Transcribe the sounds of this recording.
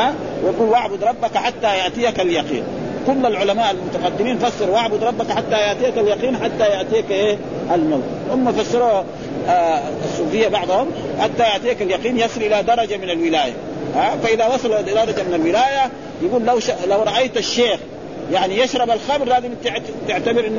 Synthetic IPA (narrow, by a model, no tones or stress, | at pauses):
a | wɡuːlwaʕbʊd̪ɾˤɑbːakaħat̪ːajaʔt̪ijakaljɑqḭːn | kulːalʕʊlamaːʔalmʊt̪aqɑd̪ːɪmiːnfasːɪɾwʔaʕbʊd̪ˤɾˤɑbːakħat̪ːajaʕt̪ijakaljɑqiːnħat̪ːajaʔt̪iːakʔeː | ʔalmawt̪ | hʊmːafasːɪɾuː | sˤːuːfɪjːabɑʕd̪ˤhʊm | ħat̪ːajaʔt̪iːakaljɑqiːnjɑsˤɨlʔɪlad̪ɑɾˤɑd͡ʒamɪnalwɪlaːja̰ | ʔafaʔɪðawɑsˤɑlɑʔdd̪ɑɾˤɑd͡ʒamɪnalwɪlaːja | jaɡuːlːawʃalawɾˤɑʔajt̪aʃːeːx | jaʕnijaʃɾˤɑbalxɑmɾlaːzɪmt̪ʕt̪ɪʕt̪abɪɾʔɪnː